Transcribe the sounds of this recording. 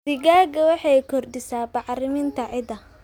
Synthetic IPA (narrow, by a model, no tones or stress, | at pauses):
sɪɡaːɡɐwɑħɑjkʰɔrd̪ɪsaːbɑʕrɪmɪnt̪ʰɐʕɪd̪ɐ